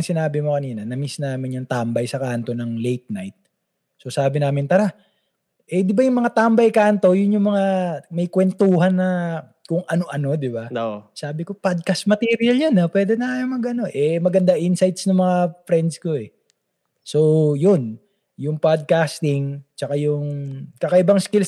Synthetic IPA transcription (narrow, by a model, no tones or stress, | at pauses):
ŋsɪnaːbɪmokɐniːnɐnɐmisnaːmɪnjʊŋt̪ambɐjsɐkaːnt̪o̞nɐŋlejt̪̚najt̪̚ | so̞saːbɪnaːmɪnt̪ɐɾa | ʔɛd̪ɪbajʊŋmɐŋat̪ambɐjkaːnt̪o̞jʊnjʊŋmɐŋamɐjkwɛnt̪uːɦɐnːɐ | kʊŋʔɐno̞ʔɐno̞d̪ɪbasaːbɪko̞pad̪̚kast̪̚mɐt̪ɛɾjɐljanɐpwɛːd̪ɛnɐajomɐɡɐno̞ʔɛmɐɡɐnd̪aʔinsajt̪snɐŋmɐŋafɾɛnd̪sko̞ʔɛ | sojʊn | jʊŋpad̪̚kaːst̪ɪŋt͡ʃɐkajʊŋkɐkɐʔɪbaŋskils